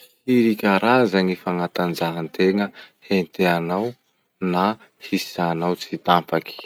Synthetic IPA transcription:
hiɾikʲaɾazanifaŋat̪and͡ʒaɦant̪eŋəhent̪eanaw | na | hi̥zanawt͡sit̪ampaki̥

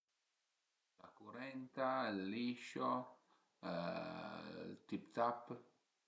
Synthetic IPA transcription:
lakuɾent̪alːiʃo | t̪ipt̪ap

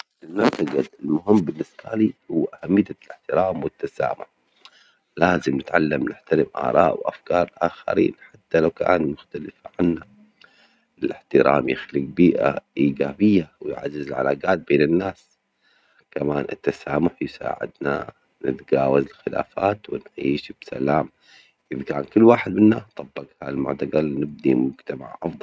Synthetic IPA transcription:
ʔɪlmabt̪aɡaɪlmʊɦɪmːbɪnːɪsbaliːhʊwːʔahamːɪjːalɪħt̪ɪɾaːmwɪt̪ːasa̰ːmʊħ | laːzɪmnɪt̪ʕalːamnɪħt̪aɾɪmʔɑ̰ːɾˤɑːʔwʔa̰fkɑːɾˤlʔaːxa̰ɾḭːnħat̪ːalawka̰ːnmʊxt̪alɪfʕanːa | ɪlɪħt̪ɪɾa̰ːmjɪxliːɡ̚biːʔa̰ʔiːɡaːbɪjːawjʕazːɪzɪlʕalaːɡaːt̪̚beːnɪnːaːs | kamaːnʔɪ̰t̪ːasaːmʊħjsa̰ːʕɪ̰d̪na̰ | nɪt̪ɡaːwazɪlxɪla̰ːfaːt̪wɪnʕiːʃb̥sa̰laːm | ʔɪðkaːnkʊlːwaːħɪd̪̚mɪnːast̪ˤːɑbːɑɡhaːlmʊ̰ʕt̪aɡalnɪb̚d̪imʊd͡ʒt̪ama̰ʕʔɑfðˤɑ

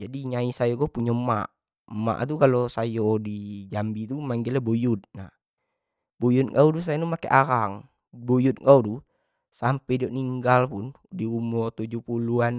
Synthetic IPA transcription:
d͡ʒadiɲaisajokopuɲama̰ʔ | əma̰ʔt̪̬ukalosajodid͡ʒambit̪umaŋɡilabojut̪̚nah | bojut̪̚kaudus̬ajanumakeʔaɾaŋ | bojut̪̚kaudu | sampɛdioʔniŋɡalpun | diumɔrt̪ud͡ʒupuluan

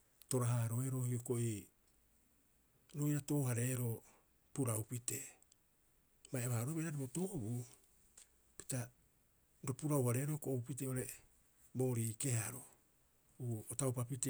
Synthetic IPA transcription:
to̞ɾaɦaɾo̞eɾo̞hioko̞ʔi | ɾo̞jɾato̞ːhaɾe̞ːɾo̞ | puɾawpite̞ | majaβahaɾoβeɾaɾiβoto̞βu | pi̥ta | ɾopuɾawhaɾe̞ːɾokoʔːupit̬e̞oɾe̞ | bo̞ːɾiːke̞haɾo̞ | uotawpapite

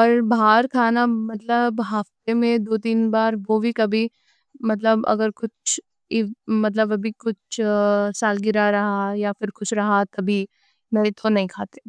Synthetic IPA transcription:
ɔɾbaːɾkʰaːnamɐt̪ləbɦaːft̪emẽd̪oːt̪iːnbaːɾʋobʱikɐbʱi | mɐt̪ləbɐ̰ɡəɾkʊt͡ʃʰ | mɐt̪̬ləbɐbʱikʊt͡ʃʰsaːlɡɪɾaɾɐɦajafɪɾxʊʃɾɐɦat̪ɐbʱi | mẽːt̪ʰonɐɦĩkʰaːt̪e̥

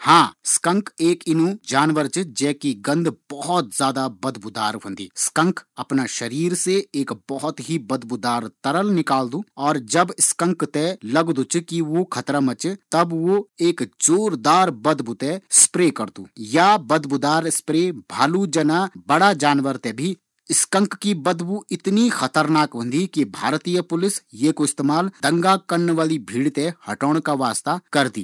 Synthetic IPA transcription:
hãːskə̃ŋkeːkɪnũd͡ʒaːnʋəɾt͡ʃd͡ʒɛːkiɡɐ̃nd̪b̥ɔɦɔt̪zjaːd̪abɐd̪bʊd̪a̰ːɾɦɐ̃nd̪ḭːskə̃ŋkɐpnaʃɐɾiːɾseeːkbɔɦɔt̪ɦibɐd̪bʊd̪aːɾt̪ɐɾəlnɪkaːld̪uːɔːɾd͡ʒɐbskə̃ŋkt̪ɛlɐɡd̪ut͡ʃkiʋokʰɐt̪ɾamɐt͡ʃt̪ɐbʋoeːkd͡ʒoːɾd̪aːɾbɐd̪but̪espɾeːkɐɾd̪ṵːjabɐd̪bud̪aːɾspɾeːbʱaːlud͡ʒɐnabɐɽad͡ʒaːnʋəɾt̪ɛbʱi | ɪskə̃ŋkːibɐd̪buɪt̪nixɐt̪əɾnaːkbə̃nd̪ikibʱaːɾt̪ijəpʊlɪsjekoɪst̪eːmaːld̪ɐ̃ŋɡakɐɾnʋaːlibʱiːɽt̪ehɐʈoːɽ̃kaʋaːst̪akɐɾd̪ḭː

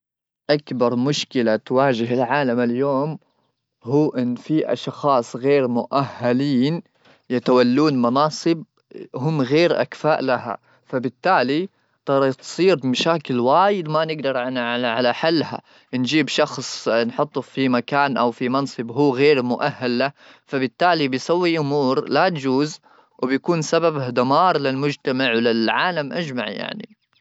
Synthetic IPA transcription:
ʔakbɑɾˤmʊʃkɪlat̪waːʒɪɦɪlʕaːlamɪljoːm | huːʔɪnːfiʔɑ̰ʃxɑːsˤɣeːɾmʊʔahːaliːn | jat̪awalːuːnmɑnɑːsˤɨb̚ | hʊmːɣeːɾʔa̰kfaːʔlaha̰ | fabɪt̪ːaːli | t̪ˤɑɾˤɑt̪sˤiːɾmaʃaːkɪlwaːjɪd̪manɪɡd̪ɑɾˤʕanaaʕalaħalːha̰ | nd͡ʒiːbʃɑxsˤnħʊt̪ˤːufimakaːnʔawfimɑnsˤɨbɦuːɣeːɾmʊʔahːalːa | fabɪt̪ːaːlibɪjsawːiʔʊmuːɾlat̪d͡ʒuːz | wɪbjakuːnsababd̪amɑːɾˤlɪlmʊd͡ʒt̪amaʕwlɪlʕaːlamʔad͡ʒmaʕja̰ʕnḭ

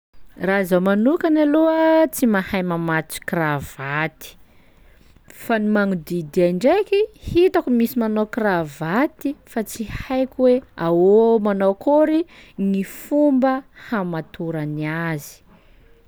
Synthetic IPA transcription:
raizamanukanaluət͡simahajmamat͡si̥krav̥at̪i̥ | fanimaŋud̪id̪iaɳɖ͡ʐekihit̪akumisimanokravat̪ifat͡sihajkʲweawomanokuɾinifumbəhamat̪uɾaniazi̥

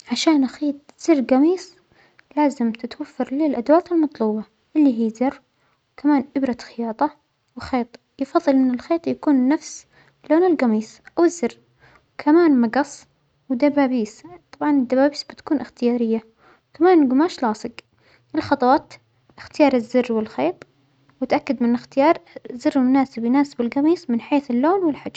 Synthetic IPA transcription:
ʕaʃaːnxiːt̪̚ˤz̥ɪrːɡɑmiːs | laːzɪmt̪ɪt̪wafːɑɾˤlɪlʔad̪waːt̪ɪlmɑt̪ˤluːbɑ | ʔɪlːiɦiːzɪr | wkamaːnʔɪbɾɑxɪjɑːt̪ˤɑ | wxeːt̪ˤ | jɪfɑðˤːɨlʔɪnːɪlxeːt̪ˤjakuːnːafs | loːnɪlɡɑmiːsʔawɪzːɪr | wkʰamaːnmɑɡɑsˤ | wɪd̪abaːbiːst̪ˤɑbʕɑnɪd̪ːabaːbiːsbɪt̪ḁkuːnʔɪxt̪ɪjaːɾɪjːa | wkamaːnɡʊmaːʃlɑːsˤɨɡ | ʔɪlxɑt̪ˤɑwɑːt̪ | ʔɪxt̪ɪjɑːɾˤɪzːɪrːwɪlxeːt̪ˤ | wɪt̪ʔakːad̪mɪnʔɪxt̪ɪjɑːɾˤzːɪrːɪlmʊnaːsɪbjɪnaːsɪbɪlɡɑmiːsmɪnħeːθɪlːoːnwɪlħad͡ʒ

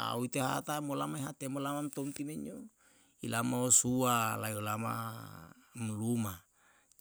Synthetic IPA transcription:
a̰uit̪eɦa̰t̪amolamaiɦat̪emolamamt̪ɔmt̪imeɲo | ilamaosualaiolama̰ | mluma

